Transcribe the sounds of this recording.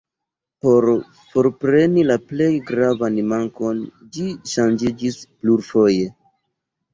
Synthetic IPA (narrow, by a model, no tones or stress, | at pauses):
po̞ɾ | fo̞ɾpɾe̞nilaple̞jɡɾavanmaŋko̞n | d͡ʒiʃand͡ʒid͡ʒispluɾfo̞je̞